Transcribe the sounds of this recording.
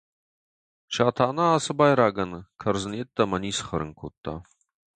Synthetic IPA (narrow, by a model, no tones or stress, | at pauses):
ʃaːt̪ʰanaːsəbɑjɾaːɡɐnkʰəɾzənet̪ːɐmɐnisχəɾə̰ŋkʰo̰t̪ːa̰